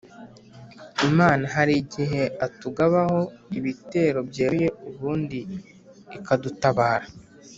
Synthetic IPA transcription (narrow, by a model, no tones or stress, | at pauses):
imaːnaɦaɾiɟiɦe̞atuɡaβaho̞iβite̞ːɾo̞bjeːje̞uβuːndiː | kadutaβaːɾa